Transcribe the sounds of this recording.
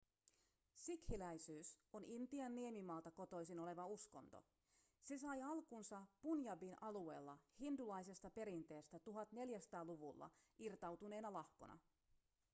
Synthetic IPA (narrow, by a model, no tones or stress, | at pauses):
sikhilæjsyːso̞nint̪iɑnːiemimɑːlt̪ɑko̞t̪o̞jsino̞le̞ʋɑusko̞̰nt̪o̞̰ | se̞sɑjɑlkunsɑpunjɑbinʔɑlue̞ːlːɑhindulɑjse̞st̪ɑpe̞ɾint̪e̞ːst̪æt̪uɦɑt̪ne̞ljæsɑ̥t̪ɑːluʋulːɑ̰irt̪ɑwt̪une̞ːnɑlɑhko̞̰nʔɑ̰